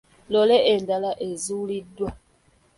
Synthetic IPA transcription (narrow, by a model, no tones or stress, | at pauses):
lɔlɛendalaʔezulidwa